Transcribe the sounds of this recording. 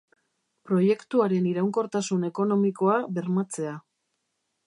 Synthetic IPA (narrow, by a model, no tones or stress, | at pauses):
pɾo̞je̞kt̪uaɾe̞niɾawŋko̞ɾt̪asune̞ko̞no̞miko̞aβe̞ɾmat͡se̞a